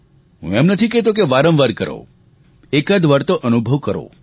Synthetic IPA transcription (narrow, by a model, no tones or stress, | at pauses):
ɦṵ̃ɛmnət̪ʰikɛt̪ok̬eʋaɾəmʋaɾkə̰ɾo̰ | ekəd̪ʋəɾt̪oʔənubʱəʋkəɾo̰